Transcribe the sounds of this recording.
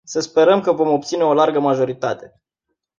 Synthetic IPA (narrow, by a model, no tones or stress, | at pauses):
səspe̞ɾəmkəvo̞mo̞p̚t̪sine̞o̞larɡəmaʒo̞ɾit̪at̪e̞